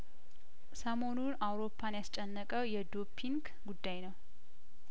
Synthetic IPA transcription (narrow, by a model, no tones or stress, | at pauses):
səmo̞nunawɾo̞pʰːanjast͡ʃʼɛnːəkʼəwjɛd̪opʰːiŋɡ | ɡud̪ːajnəw